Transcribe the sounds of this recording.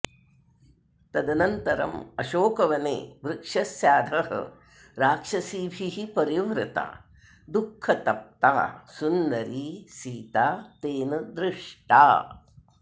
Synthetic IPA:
t̪ɐd̪ɐnɐnt̪ɐɾɐ̰mɐʃoːkɐʋɐnḛːʋɾɪkʂɐsjaːd̪ʱɐɦɐ̰ | ɾaːkʂɐsiːbʱiɦipɐɾiʋɾɪt̪a̰ː | d̪ukʰːɐt̪ɐp̚t̪a̰ːsunːɐɾisiːt̪aːt̪eːnɐd̪ɾɪʂʈa̰ː

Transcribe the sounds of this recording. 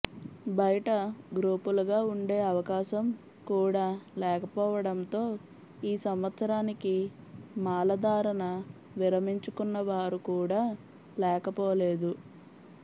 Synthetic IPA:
bɐjɐʈɐɡɾuːpuluɡaːuɳɖe̞ːɐʋɐkaːʃɐm | kuːɽaːlɛːkɐpɔːʋɐɽɐnt̪o̞ː | iːsɐmʋɐt̪sɐɾaːniki | maːlɐd̪aːɾɐnɐ | ʋiɾɐmiɲt͡ʃukunːɐʋaːɾukuːɽaː | lɛːkɐpɔːle̞ːd̪u

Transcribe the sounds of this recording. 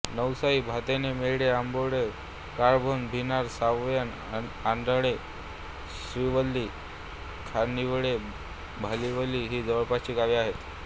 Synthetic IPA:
nəwsaibʱat̪enemeɭɽeamboɽe | kaɾbʱonbʱinaɾsaʋjan | and̪aɽe | sɾiʋəlːiː | kʰaniʋɽe | bʱaliʋəlːiːɦiːd͡zəʋəɭpat͡ɕiːɡaʋiaɦet̪

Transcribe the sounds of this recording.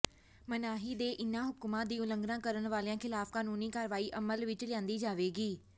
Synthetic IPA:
mənaːɦiːd̪eːʔɪnãːɦʊkmãːd̪iːʊlə̃ŋɡnãːkəɾənʋaːleãːkʰɪlaːfkaːnuːniːkaːɾʋaːiːʔəməlʋɪt͡ʃlɪãːnd̪iːd͡ʒaːʋeːɡiː

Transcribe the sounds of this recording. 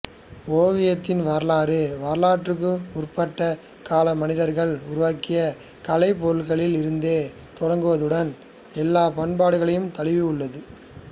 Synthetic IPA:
oːʋɪjɐt̪ːɪnʋɐɾlaːɾɯʋɐɾlaːʈrɯk̬ːɯʊrpɐʈːɐ | kaːlɐmɐnɪðɐɾɣɐɭʊɾʊʋaːkɪjɐ | kɐlɐɪpɔɾɯlɣɐɭɪlɪɾɯnd̪eː | t̪ɔɽɐŋɡɯʋɐðɯɽɐn | ɛlːaːpɐɳpaːɽɯɣɐɭɐjɯmt̪ɐɭɪʋɪʊɭːɐðɯ

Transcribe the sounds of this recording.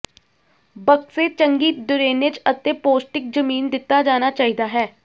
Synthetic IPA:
bəkseːt͡ʃəŋɡiːd̪ʊɾeːnet͡ʃət̪eːpoːsʈɪk̚d͡ʒəmiːnd̪ɪt̪ːaːd͡ʒaːnaːt͡ʃaːɦiːd̪aːɦɛː

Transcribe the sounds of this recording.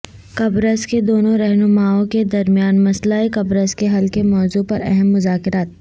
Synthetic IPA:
kɐbɾəsked̪oːnõɾɛɦnʊmaːõked̪ɐɾmijaːnmɐslaekɐbɾəskeɦɐlkemɔːzupɐɾɛ̰ɦɛmːʊzaːkɪɾaːt̪̚

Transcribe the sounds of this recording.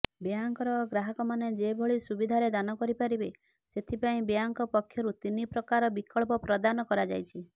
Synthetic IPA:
bjaŋkɔɾɔɡɾaɦɔkɔmaned͡ʒebʱoɭisubid̪ʱaɾed̪anɔkɔɾipaɾibe | set̪ʰipaĩbjaŋkɔpɔkʰjɔɾut̪inipɾɔkaɾɔbikɔɭpɔpɾɔd̪anɔkɔɾad͡ʒa̰jt͡ʃʰi

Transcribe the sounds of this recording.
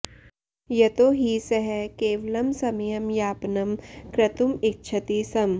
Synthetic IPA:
jɐt̪oːɦisɐɦɛkeːʋɐlɐmsɐmijɐmjaːpnɐmkɾɐt̪umɪk̚t͡ʃʰɐt̪iːsɐm

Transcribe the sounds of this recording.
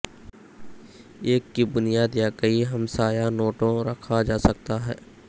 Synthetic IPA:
eːkːibʊnijaːd̪jaːkəiɦɐmsaːjanoːʈõɾɐkʰad͡ʒaːsɐk̚t̪aɦɛː

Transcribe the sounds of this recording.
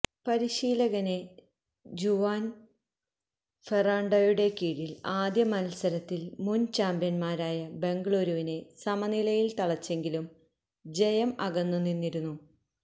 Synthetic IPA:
pɐɾiɕiːlɐɣɐne̞ | d͡ʑuʋaːn | feraːɳɖɐjuɽe̞kiːɽilaːd̪jɐmɐnɐsɐɾɐt̪ːilmunt͡ɕaːmbjɐnmaːɾaːjɐbe̞ŋɡɐɭoːɾuʋine̞sɐmɐnilɐjilt̪ɐɭɐt͡ɕːe̞ŋɡilum | d͡ʑe̞jɐmɐ̰ɣɐnːunːinːiɾunːu

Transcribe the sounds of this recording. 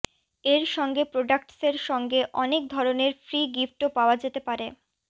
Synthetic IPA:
eɾʃɔŋɡepɾoɖak̚ʈseɾʃɔŋɡeʔɔnek̚d̪ʱɔɾoneɾfɾiɡifʈopaoad͡ʑet̪epaɾe

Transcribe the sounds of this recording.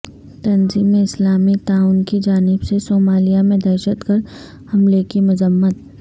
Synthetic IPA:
t̪ɐnziːmeɪslaːmit̪aːʊnkid͡ʒaːnɪbsesoːmaːlijamẽd̪ɐɾʃət̪ɡəɾ | hɐmlekimʊzəmːət̪̚

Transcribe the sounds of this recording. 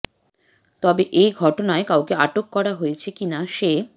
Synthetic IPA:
t̪ɔbeʔejɡʱɔʈonaekawkeaʈokːɔɾaɦojet͡ɕʰekinaʃe

